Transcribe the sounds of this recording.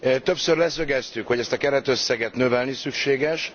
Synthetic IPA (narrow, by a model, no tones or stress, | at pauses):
t̪ø̞psørlɛsø̞ɡɛst̪ykhoɟɛst̪ɒkɛɾɛt̪ø̞sːɛɡɛt̪nø̞vɛlnisykʃeːɡɛʃ